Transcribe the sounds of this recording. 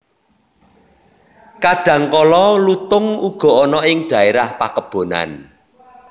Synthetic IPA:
kaɖ̥ä̤ŋkɔlɔlut̪ʊŋuɡ̥ɔ̤ɔnɔɪŋɖ̥a̤eɾahpakəb̥o̤na̰n

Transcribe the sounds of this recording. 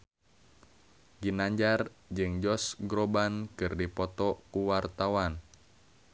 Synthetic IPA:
ɡinaɲd͡ʒard͡ʒɨŋd͡ʒɔsɡɾobankɨrdipɔt̪ɔkuwart̪awan

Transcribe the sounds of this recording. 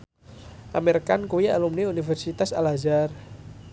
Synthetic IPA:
ʔamerkankuwia̰lumniunifɛrsit̪asa̰lazar

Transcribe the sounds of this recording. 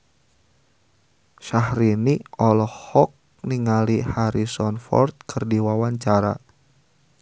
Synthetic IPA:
ʃahɾiniɔlɔhɔk̚ | niŋalihaɾisɔnfɔ̰rt̪̚kʰɨrdiwawaɲt͡ʃaɾa̰

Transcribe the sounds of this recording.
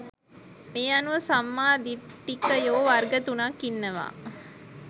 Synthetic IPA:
meɐnuʋəsamːaːd̪iʈːikəjoːʋarɡət̪unakːinːəʋa̰ː

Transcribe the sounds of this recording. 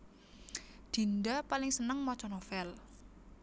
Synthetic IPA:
d̪̥i̤ndapalɪŋsənəŋmɔt͡ʃɔnofɛl

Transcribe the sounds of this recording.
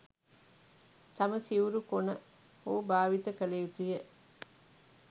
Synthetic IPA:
t̪ɐmɐsiuɾukonə | hoːbaːʋit̪əkəlejut̪ujə

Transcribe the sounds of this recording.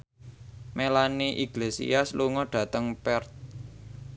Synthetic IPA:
melaniʔiɡ̥lesḭasluŋɔɖ̥ä̤t̪əŋpɛrt̪̚

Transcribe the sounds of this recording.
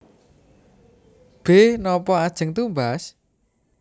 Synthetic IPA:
b̥ehnɔpɔad̥ʒ̥ə̤ŋt̪umbas

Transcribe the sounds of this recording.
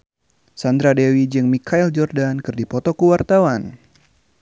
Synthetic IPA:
sand̪ɾadewid͡ʒɨŋmikʰaild͡ʒɔrdankɨrdipɔt̪ɔkuwart̪awan

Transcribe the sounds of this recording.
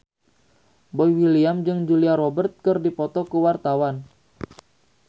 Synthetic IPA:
bɔjwiliamd͡ʒɨŋd͡ʒuliaɾɔbərt̪̚kɨrdipɔt̪ɔkəwart̪awan

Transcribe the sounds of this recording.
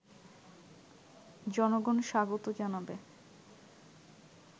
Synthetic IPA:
d͡ʑɔnoɡonʃaɡot̪od͡ʑanabe

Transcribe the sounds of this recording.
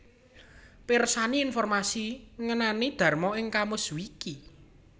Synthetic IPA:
pɪrsaniːnfɔrmasiŋənanid̪̥ä̤rmɔɪŋkamʊswiki

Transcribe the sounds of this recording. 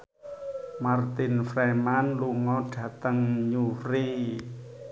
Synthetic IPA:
mart̪ɪnfɾɛmanluŋɔɖ̥ä̤t̪əŋɲuɾi

